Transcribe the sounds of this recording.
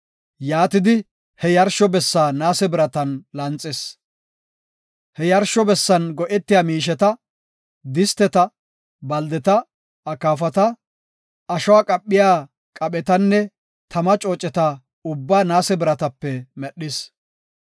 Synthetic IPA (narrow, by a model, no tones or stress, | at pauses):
jaːt̪ɪd̪ɪ | hɛjɐɾʃɔbɛsːaːnaːsɛbɪɾɐt̪ɐnlɐnt͡sʼːɪs | hɛjɐɾʃɔbɛsːɐnɡɔʔɛt̪ːɪjaːmiːʃ̬ɛt̪ɐ | d̪ɪst̪ɛt̪ɐ | bɐld̪ɛt̪ɐ | ɐkaːfɐt̪ɐ | ɐʃɔwaːkʼɐpʼːɪjaː | kʼɐɓɛt̪ɐnːɛ | t̪ʰɐmɐt͡ʃʼoːt͡ʃʼːɛt̪ɐ | ʊbːaːnaːsɛbɪɾɐt̪ɐpːɛmɛɗːɪs